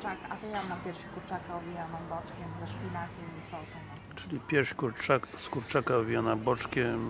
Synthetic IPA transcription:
akat̪ɔjanapʲjɛɾʂɕikuɾt͡ʂakaɔvʲijanabɔt͡ʂkʲɛmzɛʂpʲinakʲɛmisɔsɔ̃n | ʈ͡ʂɘlʲipʲjɛɾʂkuɾt͡ʂaskuɾt͡ʂakaɔvʲijanabɔt͡ʂkʲɛm

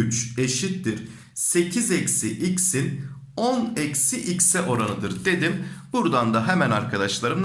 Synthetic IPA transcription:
yt͡ʃe̞ʃit̪ːiɾ̥ | se̞cʰizɛcsiʔicsin | onɛcsiʔicsɛʔo̞ɾanɯd̪ɯɾd̪e̞d̪imbuɾd̪and̪aɦɛmænaɾkʰad̪aʃlˠaɾɯm

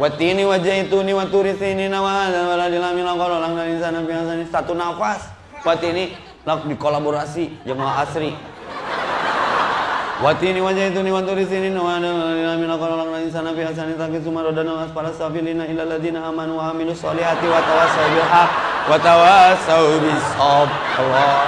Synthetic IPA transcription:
wat̪iniwad͡ʒait̪uniwat̪uɾisininawadaaladilamilakɔlolaŋlalins̬anafiasanisat̪unafas | wat̪ini | lak̚dikolaboɾasid͡ʒamaaasɾi | wat̪iniwad͡ʒait̪̬uniwant̪uɾisininawadaaladilamilakɔlɔlaŋlains̬anafias̬anit̪akisumaɾɔdanalaspaɾasafilinailalːaðinaːmanwamilusɔlihɦat̪iwat̪awasaubiɦak̚wat̪awasabisɔb̚ | awɔ

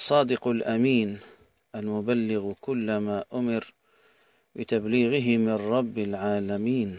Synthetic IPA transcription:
sˤːɑːd̪ɪqʊlʔamiːn | ʔalmʊbalːɪɣkʊlːamaʔʊmɪɾ | bɪt̪abliːɣɪɦɪmɪnɾˤɑbːɪlʕaːlamiːn

